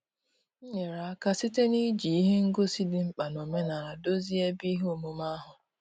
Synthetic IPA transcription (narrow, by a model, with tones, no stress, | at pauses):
ɲe˨ɾa˨˦ka˦si˦te˦ni˦d͡ʒi˨i˦ɦe˦ŋ̩˦ɡo˦si˦dɪ˨ŋ͡m̩˦k͡pa˨no˨me˦na˨ɾa˨do˦zi˦e˦bi˦ɦo˨mu˦ma˦ɦʊ˨